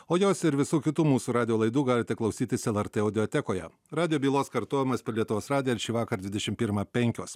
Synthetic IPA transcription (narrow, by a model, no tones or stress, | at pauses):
oːjoːsɪɾʋʲɪsuːkʲɪt̪uːmuːsuːɾɑːd̪ʲɪjoːlˠɐɪd̪uːɡɑːlʲɪt̪ʲɛklˠɐʊsʲiːt̪ʲɪsɛlˠɛɾt̪eɐʊd̪ʲɪoːt̪ʲɛkoːjɛ̰ | ɾɑːd̪ʲɪjoːbʲiːlˠoːskɐɾt̪oːjʲɪmɐspʲɛɾʲlʲiɛt̪ʊʋoːsɾɑːd̪ʲɪjoɪɾʃʲiːʋɑːkɐɾd̪ʲʋʲɪd̪ʲɛʃʲɪmpʲiːɾmɑːpʲɛŋʲkʲo̰ːs